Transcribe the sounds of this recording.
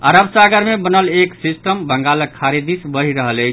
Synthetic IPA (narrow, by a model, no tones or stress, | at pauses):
aɾəbsaɡəɾmebənəleksisʈəmbəŋɡaləkʰːaɾid̪isbəɦiɾəɦələjt͡ʃʰ